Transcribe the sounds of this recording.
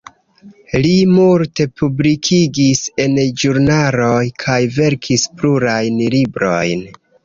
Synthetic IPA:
limulte̞publikʰiɡise̞nd͡ʒuɾnalo̞jkʰajve̞ɾkʰispluɾajnlibɾo̞̰jn

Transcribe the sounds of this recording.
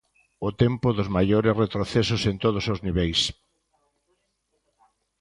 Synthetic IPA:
ʊt̪empʊðʊzmajoɾɪsret̪ɾoθesʊsent̪oð̞ʊsozniβejs

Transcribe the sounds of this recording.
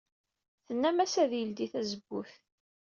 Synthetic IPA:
θənːæmæsæðjəld̪iθæzəbːuθ

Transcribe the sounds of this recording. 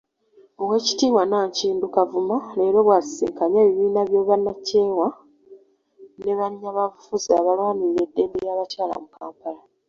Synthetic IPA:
owe̞ːci̥tiːmwanaːɲciːndukavumane̞ːɾo̞βwasi̥sḛŋkaɲeːβiβiːnaβjo̞ːβanːace̞ːwa | ne̞βaɲːaβafuzaβalwaːniɾedːe̞ndejaːβataːla̰mukaːmpala

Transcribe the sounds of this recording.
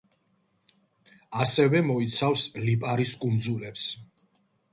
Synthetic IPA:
asɛvɛmɔit̪sʰafslipʼaɾiskʼumd̪zulɛps

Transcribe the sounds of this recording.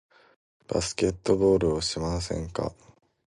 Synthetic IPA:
b̥a̰sɨ̥ke̞t̪ːo̞bo̞ːɾɯ̟oɕimas̬ẽ̞̰ŋka̰

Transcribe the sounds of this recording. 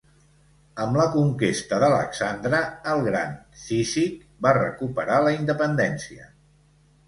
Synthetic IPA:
əmləkuŋkest̪əðələ̰ksand̪ɾəːlˠɣɾa̰nsizik | barə̰kupəɾaləind̪əpənd̪ɛnsiə̰

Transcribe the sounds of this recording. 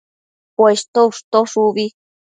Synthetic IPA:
pwest̪ouʂt̪oʂuβi

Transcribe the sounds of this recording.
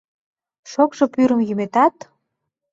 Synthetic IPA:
ʃokʃopyɾə̆mjymet̪ɑt̪

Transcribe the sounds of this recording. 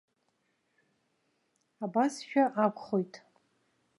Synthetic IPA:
abasʃᶣaʔakʷʰʼχo̞jtʼ

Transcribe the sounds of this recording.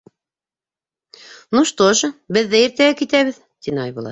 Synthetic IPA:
nuʃt̪oʃbɘ̆ðːɘiɾt̪æɡækit̪æβɘð | t̪inɑjβulˠɑ̰

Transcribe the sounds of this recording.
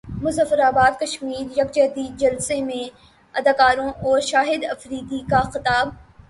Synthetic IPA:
mʊzəfəɾaːbaːd̪kɐʃmiːɾjɐkd͡ʒɐɦd̪iːd̪̚d͡ʒɐlsemẽ | ɐd̪aːkaːɾõʔɔːɾʃaːɦɪd̪ɐfɾiːd̪ikaxɪt̪aːb̚

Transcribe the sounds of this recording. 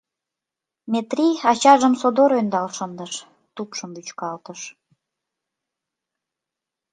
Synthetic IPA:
mʲet̪riɑt͡ɕɑʒəmsod̪oɾønd̪ɑlʃənd̪əʃ | t̪upʃəmvyt͡ɕkɑlt̪əʃ

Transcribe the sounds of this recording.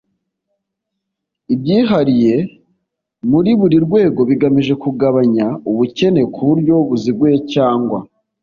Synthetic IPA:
ibɟiːɦaɾije̞ | muɾiβuɾiɾɡwe̞ːɡo̞βiɡamiʒe̞kuɡaβaɲauβuce̞ne̞kʰuβuɾɟo̞βuziɡwecaːŋɡwa

